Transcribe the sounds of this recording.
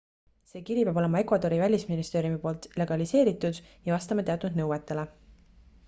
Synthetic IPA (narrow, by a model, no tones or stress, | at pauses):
se̞ːkiɾipjɑbo̞le̞mɑe̞kvɑd̪o̞ɾivælʲisminist̪e̞ːɾjumipo̞ːlt̪le̞ɡ̥ɑlise̞ːɾit̪ud̪̥jɑvɑst̪ɑmɑt̪e̞ɑt̪ːˑud̪̥nɤwet̪ːˑe̞le